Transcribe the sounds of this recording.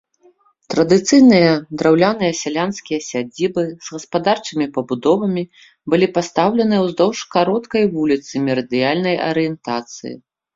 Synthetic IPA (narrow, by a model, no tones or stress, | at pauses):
t̪ɾɐd̪ɨt̪sɨjnɨjɐd̪ɾawlʲanɨjɐsʲalʲanskʲijɐsʲad͡zʲibɨz̥ɣɐspad̪art͡ʂɨmʲipɐbud̪ɔvɐmʲi | bɨlʲipast̪awlʲɛnɨjɛwzd̪ɔwʂkaɾɔt̪kɐjvulʲit̪sɨmʲɛɾɐd̪ɨjalʲnɐjɐ̰ɾɨjɛnt̪at̪sɨ̰jḭ